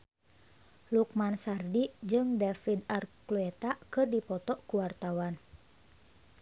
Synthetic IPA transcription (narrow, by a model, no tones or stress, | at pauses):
luk̚mansardid͡ʒɨŋdɛfid̪arkluɛt̪akɨrdipɔt̪ɔkuwart̪awan